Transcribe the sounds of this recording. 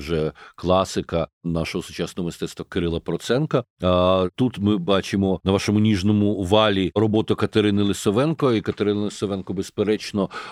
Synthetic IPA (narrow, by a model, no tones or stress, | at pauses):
ʒɛklˠɑsɪkɐnaʃɔɦɔsʊ̥t͡ʃasnɔɦɔmɪst̪ɛt̪st̪ʋɐkɪɾɪlˠɐpɾɔt̪sɛnkɐ | t̪ut̪mɪbɑt͡ʃɪmɔnɐʋaʃɔmʊnʲiʒnɔmʊʋɑlʲiɾɔbɔt̪ʊkɐt̪ɐɾɪnɪlˠɪsɔʋɛnkɔikɐt̪ɐɾɪnɐlˠɪsɔʋɛnkɔbespeɾɛt͡ʃnɔ